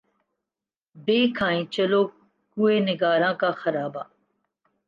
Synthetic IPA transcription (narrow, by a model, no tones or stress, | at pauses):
beːkʰãːĩːt͡ʃəloː | ɡueːnɪɡaːɾãːkaxɐɾaːbaː